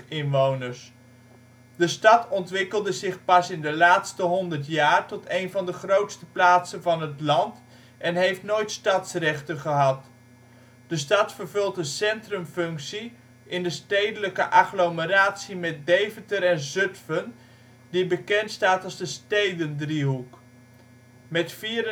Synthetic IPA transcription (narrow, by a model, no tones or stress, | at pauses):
ɪnʋownəɹs | dəstɑtɔntʋɪkəlˠdəzɪχpɑsɪndəlaːtstəɦɔndəɹtjaːrtɔtejnvɑndəχrowtstəplaːtsənvɑnɦətlɑnt | ʔɛnɦejftnojtstɑtsrɛχtənχəɦɑt | d̥əstɑtfəɹvɵlˠtənsɛntrəmfɵŋksi | ʔɪndəstejdələkəʔɑχloməɾaːtsimɛt̚dejvətəɾɛnzɵtfən | dibəkɛntstaːtɑlˠzdəstejdəndriɦuk | mɛtfiːɾ